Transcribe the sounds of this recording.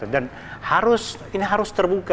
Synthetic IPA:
udan | haɾʊs | iniɦaɾʊst̪ərbuka

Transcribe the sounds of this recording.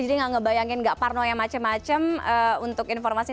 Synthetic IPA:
d͡ʒidiŋaŋəbajaŋɪnɡaʔparnɔjaŋmat͡ʃəmːat͡ʃəməunt̪ʊkinfɔrmasi

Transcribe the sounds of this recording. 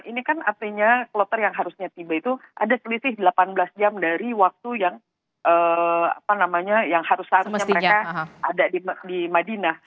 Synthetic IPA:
inikanart̪iɲaklot̪ərjaŋɦaɾusɲat̪ibait̪uʔa̰dasəlisɪhdəlapanbəlasd͡ʒamdaɾiwak̚t̪ujaŋ | ʔəa̰panamaɲajaŋhaɾʊshaɾusɲaməɾekaadadidimadina

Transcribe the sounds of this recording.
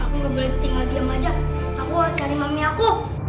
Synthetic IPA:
akuɡabəɾit̪ɪŋaɡiamad͡ʒa | akuat͡ʃaɾimamiaku

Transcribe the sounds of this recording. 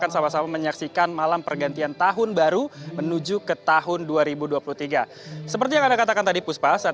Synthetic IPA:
kansamahsamaməɲaksikanmalampərɡant̪iant̪aɦʊnbaɾumənud͡ʒukət̪aɦʊnduaɾibuduapuluht̪iɡa | səpərt̪ijaŋandakat̪akant̪adipuspasa

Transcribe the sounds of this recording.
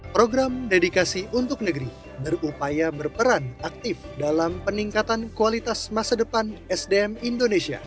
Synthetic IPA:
pɾoɡɾamdedikasiʔunt̪ʊk̚nəɡəɾi | bərupajabərpəɾanak̚t̪ɪfdalampəniŋkat̪ankualit̪asmasadəpanɛsdeɛmindonesia̰

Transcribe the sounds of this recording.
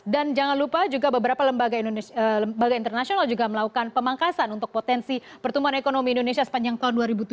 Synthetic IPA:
dand͡ʒaŋanlupad͡ʒuɡabəbəɾapaləmbaɡanoəəbaɡaint̪ərnasionald͡ʒuɡaməlakukanpəmaŋkasanunt̪ʊk̚pot̪ɛnsi | pərt̪umuanekonomiːndonesiasə̥paɲd͡ʒaŋt̪aɦʊnduaɾibut̪u

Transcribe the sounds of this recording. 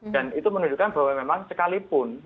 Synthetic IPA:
da̤nit̪umənuɲd͡ʒukanbawamemaŋsəkalipʊn

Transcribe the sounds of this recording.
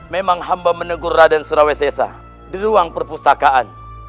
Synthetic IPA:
memaŋɦambamənəɡurːadansuɾawesɛsa̰ | diɾuaŋpərpust̪akaan

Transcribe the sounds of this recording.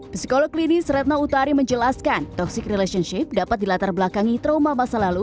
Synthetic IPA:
pisi̥kɔlɔklinisɾɛt̪̚naut̪aɾiməɲd͡ʒəlaskant̪ɔksɪkrɛlɛʃənʃɪp̚dapat̪̚dilat̪arbəlakaŋit̪ɾomamasalalu

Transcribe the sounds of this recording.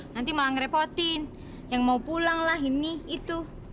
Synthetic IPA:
nant̪imalaŋɾɛpɔt̪ɪn | jaŋmaupulaŋlaɦiniːt̪u

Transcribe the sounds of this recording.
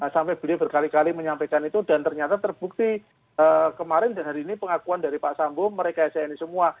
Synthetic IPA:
sampɛb̥əliɔbərkalikaliməɲampajkanit̪udant̪ərɲat̪at̪ərb̥uk̚t̪i | əkəmaɾɪndanɦaɾiːnipəŋakuandaɾipaʔsambɔməɾekaasainisəmua

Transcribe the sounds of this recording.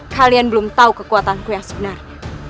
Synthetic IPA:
kʰalianbəlumt̪aukəkuat̪ankujaŋsi̥bənar

